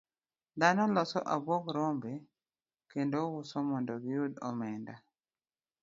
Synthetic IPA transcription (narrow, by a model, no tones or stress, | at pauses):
d̪anɔlɔsɔ̰ʔabwokɾombe | kendowʊsɔmɔndɔɡɪjud̪ɔ̰mɛnda